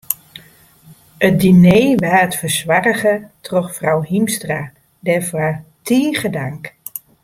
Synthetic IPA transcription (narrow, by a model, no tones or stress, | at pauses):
ət̚dineːʋaːətfəɹswarəɣətrɔxfrawhimstra | dɛfwatʰiːχədaŋk